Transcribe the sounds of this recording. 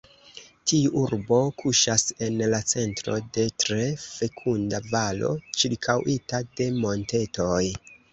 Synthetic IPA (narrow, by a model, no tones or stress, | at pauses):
tiuʔuɾbo̞kʰuʃase̞nlat͡se̞ntɾo̞̰de̞tɾe̞fe̞kʰundavalo̞̰t͡ʃiɾkʰawʔitade̞mo̞nte̞to̞j